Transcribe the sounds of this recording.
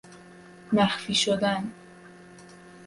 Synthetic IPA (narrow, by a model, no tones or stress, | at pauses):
mæxfiʃod̪an